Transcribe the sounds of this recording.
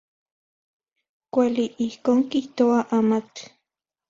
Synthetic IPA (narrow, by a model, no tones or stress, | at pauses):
kʷaliʔihkoːŋkiht̪oaʔamat͡ɬi̥